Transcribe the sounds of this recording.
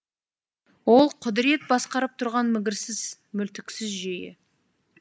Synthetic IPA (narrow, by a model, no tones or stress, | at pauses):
wo̞lˠqʰʊd̪ɪɾe̞t̪̚bɑsqɑɾəp̚t̪ʰʊɾʁɑnmɪɡʲɪɾsɪz | mʏlt̪ɪkʲsɪzʒejɪ̰